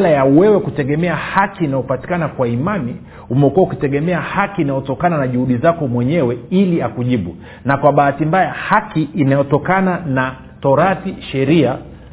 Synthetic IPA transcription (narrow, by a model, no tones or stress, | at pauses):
lajauwɛwɛkutɛɠɛmɛahakiːnajɔpati̥kanakwaimani | umɛkuaukitɛɠɛmɛahakiːnajɔtɔkananaʄuhuɗizakɔmwɛɲɛwɛiliakuʄiɓu | nakwaɓaːatimbajahakiʔːnajɔtɔkanana | tɔɾaθiʃɛɾia